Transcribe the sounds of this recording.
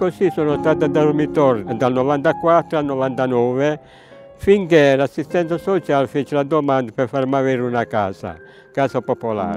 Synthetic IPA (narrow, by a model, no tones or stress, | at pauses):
kosisonost̪aːt̪ad̪aɾmit̪ɔɾd̪alnɔvant̪akwat̪ːɾoalnɔvant̪anɔːve | fiŋkelasːist̪ɛnt̪sasot͡ʃalfet͡ʃelad̪omand̪apɛɾfarmaveɾunakaːsa̰ | kaːsapopola̰ːɾ